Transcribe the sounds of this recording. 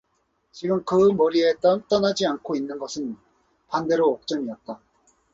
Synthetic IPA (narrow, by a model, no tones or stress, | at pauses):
t͡ɕiɡɯmkɯmʌɾie̞t͈ʌt͈ʌnad͡ʑiankʰoinːɯnɡʌsʰɯn | pande̞ɾoːk̚t͡ɕ͈ʌmiʌt̚t͈a